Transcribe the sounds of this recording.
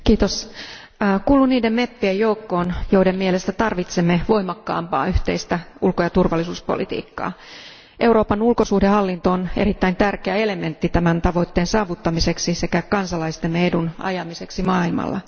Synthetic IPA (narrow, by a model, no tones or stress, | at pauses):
kiːt̪os | kuːluniːdemmepːiejjoukːo̞ːnjoidemmielest̪æt̪ɑrʋit̪semːe̞ʋo̞imɑkːɑ̰ːmpɑ̰ːyht̪e̞̰ist̪æulkojɑt̪urʋɑlːisuːspo̰lḭt̪ḭːkːɑ̰ː | ʔe̞uwɾo̞ːpɑnulkosuhdehɑlːint̪oːnḛit̪ːæint̪ærkeæele̞me̞nt̪ːit̪æmænt̪ɑʋo̞it̪ːeːnsɑːʋut̪ːɑmise̞ksise̞kækɑnsɑlɑist̪emːeedunɑ̰jɑmise̞ksimɑːilmɑ̰lːɑ̰